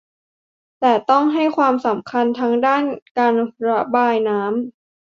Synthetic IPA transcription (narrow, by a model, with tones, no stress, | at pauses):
t̪ɛː˨˩t̪ɔ˥˩ŋɦa˥˩jkʰwaː˧msa˩˦mkʰa˧nt̪ʰa˦˥ŋdaː˥˩nkaː˧nɾa˦˧˥baː˧jnaː˦˥m